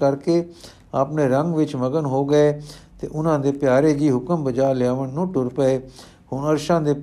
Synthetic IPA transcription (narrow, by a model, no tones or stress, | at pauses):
kəɾkeː | aːpneːɾəŋɡʋɪt͡ʃməɡənɦoːɡəeːt̪ḛːʔʊnãːd̪eːpjaːɾeːd͡ʒiːɦʊkəmbəd͡ʒaːɾlɪjaːʋənnũːʈʊɾpəeː | hʊɳəɾʃãːd̪eːp